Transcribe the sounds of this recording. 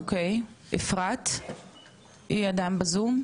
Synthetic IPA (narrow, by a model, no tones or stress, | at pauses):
kej | ḛfʁat̪ | ʔiad̪ambazum